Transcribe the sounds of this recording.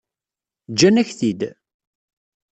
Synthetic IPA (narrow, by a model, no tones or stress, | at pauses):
d͡ʒːænæçθid̪